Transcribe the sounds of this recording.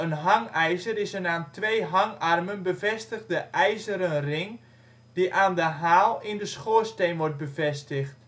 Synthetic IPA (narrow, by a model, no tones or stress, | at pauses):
ənɦaŋɛjzəɾɪsənaːntʰʋejɦaŋarmənbəvɛstəɣdəʔɛjzəɾənrɪŋ | diʔaːndəɦaːlˠɪndəsχoːstejnʋɔrt̚bəvɛstəxt